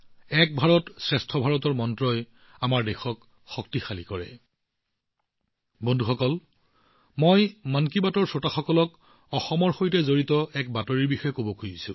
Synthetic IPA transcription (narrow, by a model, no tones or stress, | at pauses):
ɛk̚bʱaɹɔtsɹɛstʰɔbʱaɹɔtɔɹmɔntɹɔj | amaɹdɛxɔk | xɔk̚tixalikɔɹɛ̰ | bondʱuxɔkɔl | mojmankibatɔɹsotaxɔkɔlɔk | ɔxɔmɔɹxojtɛzoɹitɔɛk̚batɔɹiɹbixɔjɛkobɔkʰujisṵ̃